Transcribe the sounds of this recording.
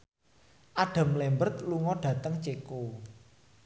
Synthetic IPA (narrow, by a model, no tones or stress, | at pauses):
ʔaɖ̥a̤mlembərt̪̚luŋɔɖ̥ä̤t̪əŋt͡ʃeko